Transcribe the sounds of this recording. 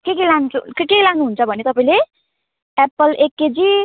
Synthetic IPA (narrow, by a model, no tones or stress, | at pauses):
kekilant͡skekekilaŋnuɦunt͡sʰʌbʱʌnet̪ʌpaĩle | epʌlekːed͡zi